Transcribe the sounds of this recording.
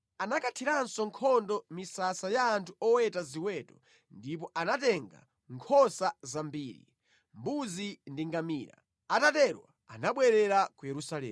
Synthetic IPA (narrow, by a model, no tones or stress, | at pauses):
anakatʰiɾansɔŋkʰɔndɔmisasajaːntʰuɔwɛtaziwɛtɔ | ndip̬ɔʔanatɛŋɡa̰ | ŋkʰɔsazambiːɾḭ | mbuzindiŋɡamiːɾa̰ | atatɛɾwa̰ | anaɓwɛɾɛɾakujɛɾusalɛː